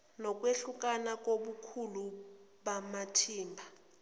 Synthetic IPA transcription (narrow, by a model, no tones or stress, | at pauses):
nɔk̬ʼweɬuk̬ʼanak̬ʼoɓukʰulu | ɓamatʰiːmbʱa